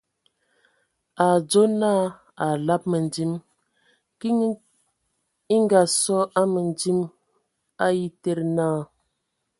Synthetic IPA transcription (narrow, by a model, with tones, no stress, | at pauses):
a˨d͡zo˦naː˦ | a˨la˦p̚mə˨n˨di˦m | ki˦ | i˦ŋɡa˨sɔ˦ʔa˦mə˨ndi˦m | a˦ji˦te˦ɾnaː˦˨